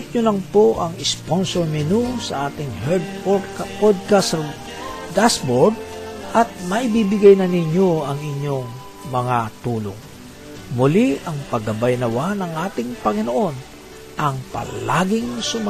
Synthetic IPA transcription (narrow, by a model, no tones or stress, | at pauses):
t̪̚ɲʊlɐŋpoʔɐŋɪsponsoɹmɪnusɐʔaːt̪ɪŋhɛd̪̚ | pod̪̚kas | d̪asbod̪̚ʔɐt̪̚mɐʔɪbibɪɡajnɐnɪɲo̞ɐŋɪɲːo̞ŋ | mɐŋat̪uːlo̰ŋ | mʊliʔɐŋpɐɡɐbajnɐwanɐŋʔaːt̪ɪŋpɐŋɪnoʔo̞n | ʔɐŋpɐ̰la̰ːɡɪŋsʊm